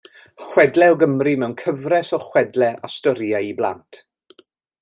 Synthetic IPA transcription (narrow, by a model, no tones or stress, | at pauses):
χwɛdlɛɔɡəmrimɛwnkʰəvrɛsɔχwɛdlɛʔa̰stɔɾjaiblˠa̰ntʰ